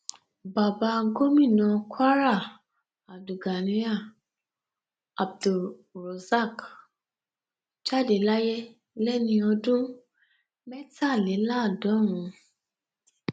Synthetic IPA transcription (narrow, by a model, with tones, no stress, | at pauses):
ba˨ba˧ɡo˦mĩ˦˨nã˧kwa˦ɾa˦˨ | a˨du˨ɡa˨nĩ˦a˦˨ | a˨b̚du˨ɾo˨sa˦˨k | t͡ʃa˦˨de˨la˦jɛ˦ | lɛ˦nĩ˧ɔ˧dũ˦ | mɛ˦ta˦˨lɛ˨˦la˦˨dɔ˨˦ɾ̃ũ˨˦